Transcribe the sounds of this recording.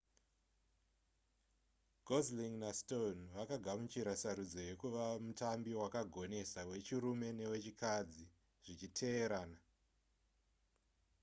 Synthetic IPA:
ɡʱozliŋnastonʋakaɡʱamut͡ʃiɾasaɾud͡zo̞je̞kuʋamutambiwakaɡʱo̞ne̞sawe̞t͡ʃiɾume̞ne̞we̞t͡ʃikad͡zi | ʐ̥it͡ʃitʰe̞ːɾaːna

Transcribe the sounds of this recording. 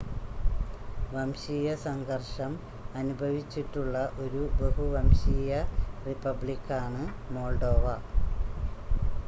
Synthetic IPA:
ʋɐmɕiːjɐsɐŋɡɐrʂɐm | ɐnubʱɐʋit͡ɕːiʈːuɭːɐʔo̞ɾubɐɦuʋɐmɕiːjɐripːɐbɭikːaːɳɨ | moːlɖo̞ːʋɐ

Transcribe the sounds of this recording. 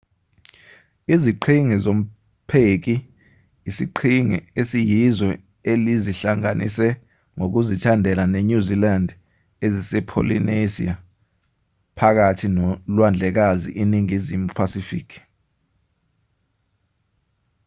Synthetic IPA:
iziǃʰiŋizom̩ | pʰek̬iː | siǃʰiŋḭesijizɛ | eliziɬaŋanʔḭsɛ | ŋok̬uzitʰandʱɛlaneɲuzilandʱ | ezisɛpʰo̰lḭnezḭa | pʰak̬atʰinlwand͡ɮʱɛk̬azḭʔiniŋizimupʰasifḭːkʰi̥

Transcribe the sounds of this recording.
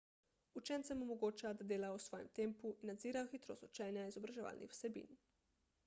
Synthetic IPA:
ut͡ʃɛnt̪sɛmɔmɔɡoːt͡ʃad̪ad̪eːlausʋɔːjɛ̰mt̪eːmpuʔinːad̪ziːɾaɔxit̪ɾo̰ːst̪ut͡ʃɛːnjaizɔbɾaʒɛʋa̰ːlnʔḭxw̥sɛbḭːn

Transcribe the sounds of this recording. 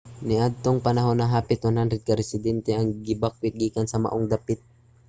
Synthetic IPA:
nɪʔad̪̚t̪oŋpɐnɐɦonɐɦaːpɪt̪wɐnhand̪ɾɛd̪̚kɐɾɛsɪd̪ɛnt̪ɛʔɐŋɡɪbak̚wɪt̪̚ɡiːkɐnsɐmɐ̰ʔoŋd̪apɪt̪̚

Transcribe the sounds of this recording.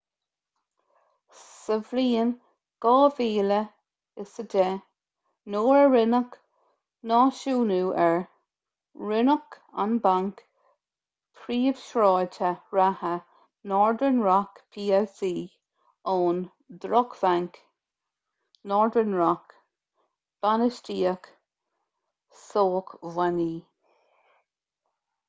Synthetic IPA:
səvliːən | ɡ̥ɑːviːlə | ɪsədɛ | noːɹəɹɪnək | nɑːʃuːnuːʔɛɹ | ɹɪnək | a̰nbaŋk | pʰɾiːəv̥ʃɹɔːtʰəɹahə | nɔːɹdənɹakpʰiːɛsiː | ɔːn | d̪ɾɔkvaŋk | nɔːɹd̪ɹənɹak | b̥anəstiːək | soːkvaniː

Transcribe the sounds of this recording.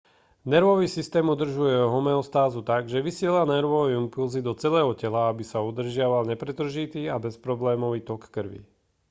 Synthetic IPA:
nɛɾʋɔʋiːsist̪ɛːmud̪r̩ʒujɛɔɦɔmɛɔst̪aːzut̪aɡʒɛʋisɪɛlanɛɾʋɔʋimpulzid̪ɔt͡sɛlɛːɦɔcɛlaabisaud̪r̩ʒɪaʋalɲɛpɾɛt̪r̩ʒit̪iːabɛspɾɔblɛːmɔʋiːt̪ɔkːr̩ʋḭ

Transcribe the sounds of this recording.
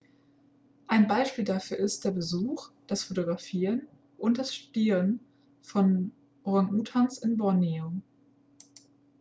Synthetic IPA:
ʔaɪnbaɪʃpiːldafyːɐɪst̚d̥eːɐbəzuːxd̥asfotoɡʁafiːʁən | ʔʊnt̚d̥asʃtud̥iːʁən | fɔn | ʁaŋʔuːtʰansɪnbɔnio

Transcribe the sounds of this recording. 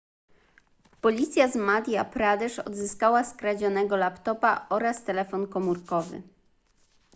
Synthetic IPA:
pɔlʲit̪sʲjazmad̪ʲjapɾad̪ɛʂɔ̰d̪zɘskawaskɾad͡ʑɔnɛɡɔlapt̪ɔpa̰ɔɾast̪ɛlɛfɔnkɔmuɾkɔvɘ̰

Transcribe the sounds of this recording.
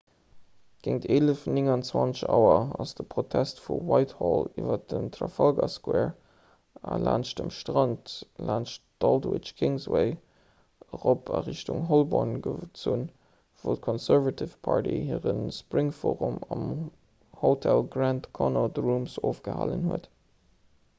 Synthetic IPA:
ɡ̥eŋtʰeːləfnɪŋɑnt͡swɑnt͡səʃaʊɐɑsd̥əpʁotʰæstfuwaɪthɔliːvɐdəmtʰrɑfɑlɡɑskwɛːɹ | ɑla̰ːnʃdəmʃtʁɑntlʔaːnʃd̥ɑldwɪt͡ʃkʰɪŋzweɪ | ʁopɑʁiʃtʊŋɦolbɔnɡət͡sun | voʊt̚kʰɔnsɛɹvɑtʰifpʰɑɹtihiːʁənspʁɪŋfoːʁumɑm | hotʰælɡɹæntkʰɔnodʁumsoːfɡ̥əha̰ːlənhuət

